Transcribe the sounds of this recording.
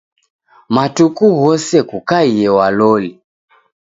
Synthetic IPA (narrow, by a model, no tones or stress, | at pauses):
matukuɣɔsɛkukaiɛwalɔli